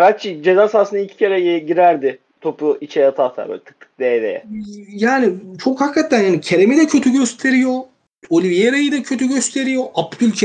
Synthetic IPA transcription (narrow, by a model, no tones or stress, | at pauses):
ɾat͡ʃid͡ʒezaːsasɯnailʲcʰi̥cʰeɾɛɟiɾæɾd̪ɪ | t̪ʰopuʔit͡ʃʰɛjat̪ʰat̪ʰa̰ɾbø̰ːlʲt̪ʰɯ̥k̚t̪ʰːɯ̥k̚d̪evḛɛ̰jaːnit͡ʃʰo̞khakːat̪ʰːænjaːnicʰeɾemed̪ɛcʰøt̪ʰyɟø̞st̪ʰe̞ɾijo̞ | olʲivijeɾajɯd̪ɛcʰøt̪ʰyɟø̞st̪ʰe̞ɾijo̞ʔapd̪ylʲcʰ